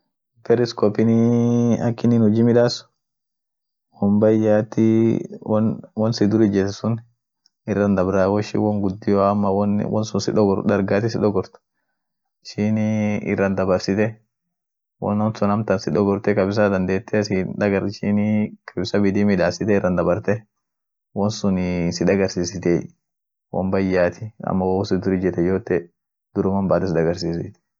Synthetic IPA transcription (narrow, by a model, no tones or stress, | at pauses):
pɛɾɪskɔpːɪniɐkːɪnɪnhʊd͡ʒimɪᶑaːsʊ̥ | wɔmbɐjːaːt̪ːɪ | nwɔnsɪd̪ʊɾɪd͡ʒɛssʊn | ɪrːɐnd̪ɐbɾawɔʃɪ̰wɔŋɡʊd̪ːɪjoɐmːɐwn̰wɔ̰nsʊnsɪᶑɔɡɔɾd̪ɐɾɡaːt̪ɪsɪᶑɔɡɔɾt̪ɐ̥ | ɪʃɪniɪ̰rːɐnd̪ɐbɐɾsɪt̪ɛ | wɔ̰nɔnsʊnɐmt̪ɐnsɪᶑ̪ɔɡɔɾt̪ɛkɐbɪs̬ɐd̪ɐnd̪eːt̪ʰːɛsɪd̪ɐɡɐɾʃɪnkʰɐbɪsɐbɪd̪imɪᶑ̪aːsɪt̪ɛɪrːɐnd̪ɐbɐɾt̪ɛ | wɔnsʊnsɪᶑ̪ɐɡɐɾsiːsɪt̪eː | wɔ̰mbɐjːaːt̪ʰɪɐ̰mːɐwwɔsɪd̪ʊɾɪd͡ʒɛt̪ɛd͡ʒoːt̪ːɛ | d̪̥ʊɾʊmɐmbaːt̪ɪsɪd̪ɐɡɐɾsiːsɪ̰t̪ɛ̥